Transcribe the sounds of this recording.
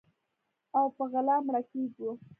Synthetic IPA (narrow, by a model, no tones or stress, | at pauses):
awpəɣalɑmɾakeɡwu